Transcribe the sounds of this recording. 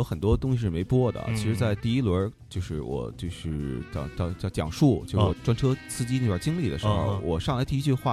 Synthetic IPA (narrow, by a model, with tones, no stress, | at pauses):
jo˥ʊxə˨˩nt̪wɔ˥t̪ʊ˥ŋɕi˧ʂɻ̩˥˩me˧˥ɪpwɔ˥d̪ə̰˨˩t͡ɕʰi˧˥ʂɻ̩˧˥t͡sa˥˧ɪt̪i˥˩i˥lwə˧˥t͡ɕjo˥˧ʊʂɻ̩˥˩wɔ̰˨˩t͡ɕjo˥˧ʊʂɻ̩˥˩t͡ɕjɑ˥˩ʊt͡ɕjɑ˥˧ʊt͡ɕjʊt͡ɕjɑ̰˨˩ŋʂu˥˩t͡ɕjʂwɔ˨˩ʈ͡ʂwa˥nʈ͡ʂʰɤ˥sʰɹ̩˥˧t͡ɕi˥ni˥˩jt͡ɕi˥ŋli˥˩d̪ə˩ʂ̩˧˥xo˥˧ʊwɔ˨˩ʂɑ˥˩ŋla˥ɪt̪i˥˧˥t͡ɕy˥˧xwa˥˩